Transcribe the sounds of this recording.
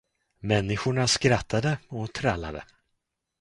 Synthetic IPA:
mɛnːɪɧʊɳaskɾat̪ʰːad̪əɔt̪ʰɾalːa̰d̪ə̰

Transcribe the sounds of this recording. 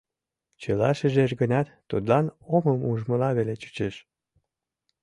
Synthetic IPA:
t͡ɕəlɑʃəʒeʃɡənɑt̪ːut̪lɑnoməmuʒməlɑβelet͡ɕy̥t͡ɕeʃ

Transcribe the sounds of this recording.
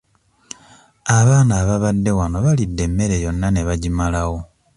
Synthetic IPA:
aβaːnaːβaβadːe̞wano̞βalidːe̞mːe̞ɾe̞jo̞nːane̞βaɟimalaɣo̞

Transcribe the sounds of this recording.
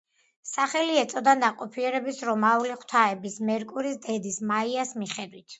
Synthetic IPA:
saχɛliɛt̪sʼɔd̪anaqʼɔpʰiɛɾɛbisɾɔmauliχwt̪ʰaɛbismɛɾkʼuɾisd̪ɛd̪ismaiasmiχɛd̪wit̪ʰ

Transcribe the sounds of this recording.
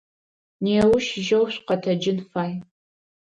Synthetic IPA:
neːwʊʃʒɐwɕʷqɐtʰɐd͡ʒɪnfaːj

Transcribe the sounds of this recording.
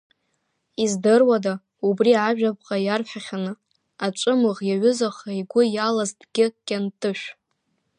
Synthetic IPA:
izdɨrwada | ubriaʒᶣap̚ʰʼqʼajarħaχʲanɨ | at͡ʃʷʼɨmɨʁjaɥʏzaχaiɡʷʊjalazdʼɡ̥ʲɪkʲʼantʼɨʃᶣ

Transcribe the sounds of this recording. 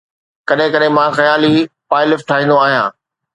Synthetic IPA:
kɐɗɦɪ̃kɐɗɦɪ̃mãxɐjaːlipaːɪlɪfʈʰaːɦĩnd̪oaːɦijãː

